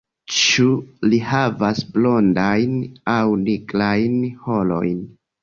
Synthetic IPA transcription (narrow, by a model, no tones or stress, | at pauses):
t͡ʃulihavasblo̞ndajnawniklajnho̞lo̞̰jn